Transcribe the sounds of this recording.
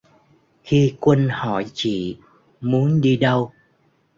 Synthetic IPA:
xi˧kwə˧nhɔ˧˩jt͡ɕḭ˧˨ | mu˨˦ənɗi˧ɗə˧w

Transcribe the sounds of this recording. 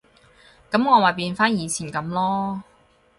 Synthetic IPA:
kɐ˨˥mŋɔː˨˧ma˨jpiː˧nfaː˥njiː˨˧t͡sʰiː˨˩nkɐ˨˥mlɔː˥

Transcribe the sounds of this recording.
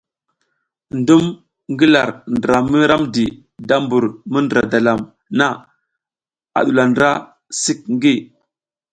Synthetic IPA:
ndu˦m | ŋɡi˦la˨ɾndɾa˨mi˦ɾa˦mdi˨ | da˦mbu˨ɾmə˦ndɾa˨da˨la˨m | na˦ | a̰˨ɗu˨la˨ndɾa˦ | si˦k̚ŋɡi˦

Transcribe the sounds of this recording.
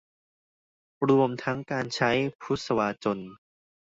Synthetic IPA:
ɾu˧əmt̪ʰa˦˥ŋkaː˧nt͡ɕʰa˦˥jpʰu˦˥t̪̚sa˧waː˧t͡ɕo˧n

